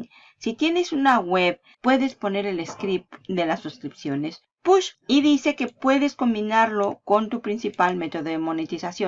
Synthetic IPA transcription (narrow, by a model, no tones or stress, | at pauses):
sit̪je̞ne̞sunaɣwe̞β | pːwe̞ðe̞spo̞ne̞ɾe̞leskɾip̚d̪e̞lasːuskɾipsjo̞ne̞s | puʃiðise̞ke̞pwe̞ðe̞sko̞mbinaɾlo̞ko̞nt̪upɾinsipalme̞t̪o̞ðoðemo̞net̪isasjo